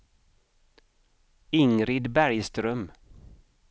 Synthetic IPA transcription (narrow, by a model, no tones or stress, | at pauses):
ɪŋɾɪd̪bæɾjst̪ɾœm